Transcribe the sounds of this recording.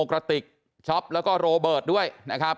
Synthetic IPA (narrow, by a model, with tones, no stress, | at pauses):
kɾa˧t̪i˨˩k̚ | t͡ɕʰɔ˦˥p̚lɛː˦˥wkɔː˥˩ɾoː˧bɤː˨˩t̪̚du˥˩əjna˦˥kʰɾa˦˥p̚